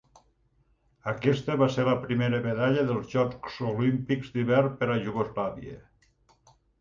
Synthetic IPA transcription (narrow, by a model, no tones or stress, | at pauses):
əkɛst̪əβaseɾləpɾimeɾəmeðaʎəðəlˠzʒɔksolimpikzd̪iβɛɾpəɾaʒuɣozlaβiḛ